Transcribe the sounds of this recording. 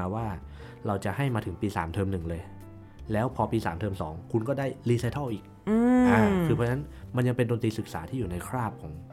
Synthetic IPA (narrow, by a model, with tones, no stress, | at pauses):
waː˥˩ | ɾa˧wt͡ɕa˨˩ha˥˩jmaː˧t̪ʰɯ˩˦ŋpiː˧saː˩˦mt̪ʰɤː˧mnɯ˨˩ŋlɤː˧j | lɛː˦˥wpʰɔː˧piː˧saː˩˦mt̪ʰɤː˧msɔː˩˦ŋkʰu˧nkɔː˥˩daː˥˩jliː˧saː˧jt̪ʰa˥˩ʔiː˨˩k̚ | ɯː˧ʔaː˧˩kʰɯː˧ɔ˧t͡ɕna˦˥nma˧nja˧ŋpe˧ndoː˧nt̪ɾiː˧sɯ˨˩k̚saː˩˦t̪ʰiː˥˩juː˨˩na˧jkʰɾaː˥˩p̚kʰɔː˩˦ŋ